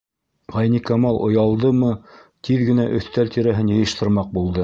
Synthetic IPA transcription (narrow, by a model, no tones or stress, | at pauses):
ʁɑjnʲikɑmɑlˠʔŏjɑlˠd̪ɤmɤt̪iðɡɘ̆næʔɵ̆θt̪ælt̪iɾæɦɘnjɤ̆jɤ̆ʃt̪ɤ̆ɾmɑq̚bulˠd̪ɤ